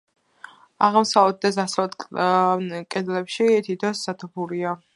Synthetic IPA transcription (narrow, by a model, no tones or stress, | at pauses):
aʁmsaɛd̪̚d̪ɛs̬asɛlɛt̪ | kʼɛd̪lɛpʃit̪ʰit̪ʰasːat̪ʰupʰuɾia